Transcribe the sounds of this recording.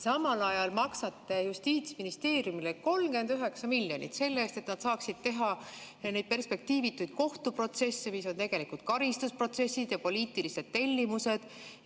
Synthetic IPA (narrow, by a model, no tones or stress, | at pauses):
sɑmɑlɑjɑlmɑksɑt̪ːˑejust̪iːt̪sminist̪e̞ːɾjumileko̞lmɡe̞nd̪yɦe̞ksɑmilʲːjo̞nḭt̪se̞lːeːst̪e̞t̪nɑd̪sɑːksid̪̥̚t̪e̞ɦɑ | ne̞jd̪̥̚pe̞rspe̞k̚t̪iːvit̪ːˑujd̪̥̚ko̞ht̪upro̞t̪se̞sːemiso̞nt̪e̞ɡ̥e̞likult̪̚kɑɾist̪uspro̞t̪se̞sid̪̥jɑpo̞liːt̪ˑilise̞d̪̥t̪e̞lʲːimuse̞d̪̥